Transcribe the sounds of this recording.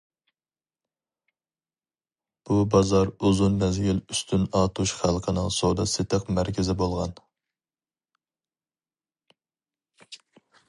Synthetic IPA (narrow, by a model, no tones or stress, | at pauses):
b̥ubɑzɑɾuzunmɛzɡʲɪlyst̪ʰynɑːt̪ʰuʃχælˠqʰənɨŋsod̪ɑsɪt̪ʰəqmæɾkʲʰɪzɪbolˠʁɑn